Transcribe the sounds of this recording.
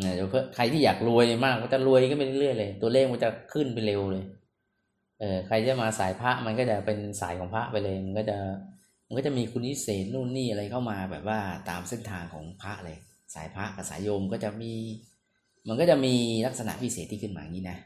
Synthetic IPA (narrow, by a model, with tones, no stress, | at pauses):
ʔaː˨˩e˨˦pʰɯ˥˩kʰɾa˧jt̪ʰiː˥˩aː˨˩k̚lu˧əjmaː˥˩k̚ːɔː˥˩t͡ɕa˨˩ɾu˧əjʰɯ˥˩npa˧nlɾɯ˥˩əjlɤː˧jt̪u˧ɐleː˥˩k̚maː˥˩t͡ɕa˨˩kʰɯ˥˩npe˧nle˧wlɤː˧j | ʔɤː˨˧˩kʰɾa˧jt̪ʰiː˥˩a˨˩maː˧saː˩˦jpʰa˦˥ʔma˧nkɔː˥˩t͡ɕa˨˩pe˧nsaː˩˦jkʰɔː˩˦ŋpʰa˦˥ʔpa˧jlɤː˧jma˧nkɔː˥˩t͡ɕa˨˩ | ma˧nkɔː˥˩t͡ɕa˨˩˨miː˧kʰu˧ntʰi˦˥seː˨˩t̪̚nuː˥˩nːiː˥˩ʔa˧ɾa˧jkʰa˥˩wmaː˧bɛ̰ː˨˩p̚waː˥˩t̪aː˧mse˥˩nt̪ʰaː˧ŋkʰɔ̰ː˩˦ŋpʰɾa˦˥ʔlɤː˧j | sa̰ː˩˦jpʰa˦˥ʔka˧˩sa̰ː˩˦jo˧mkɔː˥˩t͡ɕa˨˩ʔmiː˧ | ma˧nkɔ˥˩t͡ɕa˨˩miː˧la˦˥k̚sa˧na̰˨˩ʔwiː˦˥˩seː˨˩t̪ʰːiː˥˩ɯ˥˩nmaː˧˨˧ŋːiː˦˥na˦˥ʔ